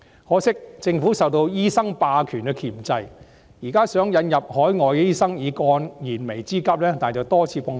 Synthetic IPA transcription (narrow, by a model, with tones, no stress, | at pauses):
hɔː˨˥sɪ˥k̚t͡sɪ˧ŋfuː˨˥sɐ˨wt̪o˧wjiː˥sɐ˥ŋpaː˧kʰyː˨˩nkɛ˧kʰiː˨˩mt͡sɐ˧j | jiː˨˩kaː˥sœː˨˥ŋjɐ˨˧˥njɐ˨p̚hɔː˨˥jŋɔː˨jɛiː˥sɐ˥ŋjiː˨˧kɔː˧njiː˨˩nme˨˩jt͡siː˥kɐ˥p̚lɛː˥t̪aː˨nt͡sɐ˨wt̪ɔː˥t͡sʰiː˨˧pɔː˧ŋ